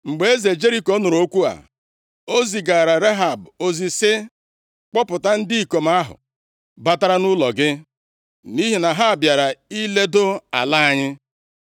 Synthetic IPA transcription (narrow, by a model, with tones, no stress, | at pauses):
ŋ͡m̩˨ɡ͡be˨e˦ze˨d͡ʒe˦ɾi˦ko˦nʊ˨ɾo˦kʷu˦a̰˨ | o˦zi˨ɡa˨ɾa˨ɾe˦ɦa˨bo˨zi˨sɪ˦ | k͡pɔ˦pʊ˨ta˦n̩˦di˦i˨ko˨m̩˦a˦ɦʊ̰˨ | ba˦ta˦ɾa˦nʊ˦lɔ˨ɡɪ˦ | ni˦ɦi˨na˨ɦa˦a˨bja˨ɾa˨i˦le˦dʊ˦a̰˨la˦a˨ɲɪ˦